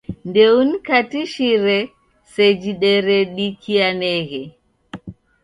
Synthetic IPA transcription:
ndɛunkatiʃiɾɛ | sɛd͡ʒiɗɛɾɛɗikianɛɣɛ

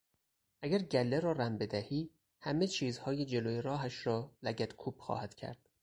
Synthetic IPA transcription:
ʔæɡæɾɟælːeɾɒːɾæmbe̞d̪æhiː | hæmet͡ʃʰiːzhɒːjed͡ʒe̞loːjeɾɒːɦæʃɾɒːlæɟæt̪kʰuːpxɒ̰ːhæd̪̥cʰæ̰ɾd̪̥

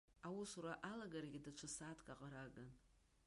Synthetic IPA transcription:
awusuɾaʔalaɡaɾaɡʲidat͡ʃʷʰasaːtʰkʼaqʼaɾaɡan

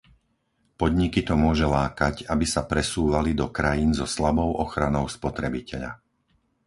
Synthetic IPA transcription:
pɔd̪ɲikit̪ɔmʊɔʒɛlaːkacabisapɾɛsuːʋalid̪ɔkɾajiːnzɔslabɔʊʔɔxɾanɔʊspɔt̪ɾɛbicɛʎa̰

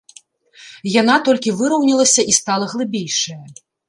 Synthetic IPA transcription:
janat̪ɔlʲkʲivɨɾɐwnʲilˠɐsʲɐʔist̪alˠɐɣlˠɨbʲejʂɐjɐ

